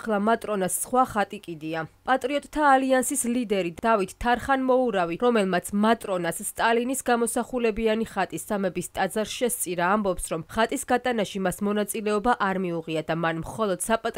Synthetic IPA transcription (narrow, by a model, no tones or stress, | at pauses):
lˠamat̪ʼɾɔnasːχwaχat̪ʼikʼid̪iapʼat̪ʼɾiɔt̪ʼt̪ʰaːliansislid̪ɛɾid̪d̪̥avit̪ʰt̪ʰːaɾχanmɔuɾaviɾɔmɛlˠmat̪sʰmat̪ʼɾɔnasːt̪ʼalinisɡamɔsaχulɛbianiχat̪ʼisːamɛbist̪ʼad̪zaɾʃɛst̪sʼiɾaːmbɔpsɾɔmχat̪ʼisɡat̪ʼanaʃimasmɔnat̪sʼilɛɔbaʔaɾmiuʁiad̪amanmχɔlˠɔd̪̥sapʼat̪ʼ